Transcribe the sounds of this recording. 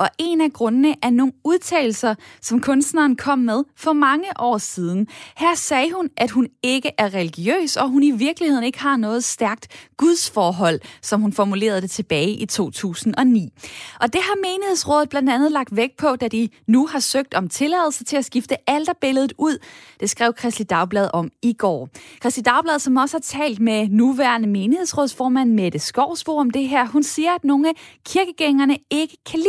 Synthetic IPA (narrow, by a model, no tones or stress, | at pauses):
ɒ̽ʔe̝næɡ̥ʁɔ̽nənəʔæɐno̝ːnuðˠt͡sʰɛ̰ːl̩sɐsɒ̽mkʰɔ̽nsd̥nɑːnkʰɒ̽m̰ːeð̞ˠfɒ̽mɑ̈ŋəʔɒ̰ːsiːð̞ˠn̩hæɐ̰sɛːɦunʔæd̥ɦune̝ɡ̥əʔæɐʁɛliɡ̥iø̰ːsɒ̽ɦuniʋiɐɡ̥lihe̝ð̰ˠn̩e̝ɡ̥əɦɑ̈nɔ̽ːð̞̩ˠsd̥æɐɡ̥̚d̥ɡ̥uð̞ˠsfɒːɦɒ̽l̰sɒ̽mɦunfɒmule̝̰ːɐð̞̩ˠd̥e̝t͡sʰe̝b̥ɛːɪʔit͡sʰo̝̰ːt͡sʰṵːsn̩ɒ̽nḭːʔɒ̽d̥e̝ɦɑ̈me̝ːnihe̝ð̰ˠsʁɔ̽ːðð̩ˠb̥lænd̥ænð̞̩ˠlɑ̈ɡ̥̚d̥ʋeɡ̥̚pʰɒ̽d̥æd̥inuhɑ̈søɡ̥̚d̥ɒ̽mt͡sʰe̝lɛðˠl̩sɐt͡sʰe̝læsɡ̥ifd̥əæld̥ɐb̥e̝ləð̞̩ˠuð̞̰ˠd̥e̝sɡ̥ʁɛ̰ʊkʰʁɛsd̥id̥ɑ̈ʊb̥lɛðˠʔɒ̽miɡ̥ɒ̰ːkʰʁɛsd̥id̥ɑ̈ʊb̥lɛð̞ˠsɒ̽mɒ̽səhɑ̈t͡sʰɛ̰ːld̥menuʋæɐnəme̝ːnihe̝ð̰ˠsʁɔ̽ðˠsfɒːmæn̰med̥əsɡ̥ɒʊ̰sb̥o̰ːɒ̽md̥e̝ɦæɐ̰ɦunsiːɐæd̥no̝ːn̩ækʰiɐɡ̥əɡ̥eŋɐnəe̝ɡ̥əkʰælḭ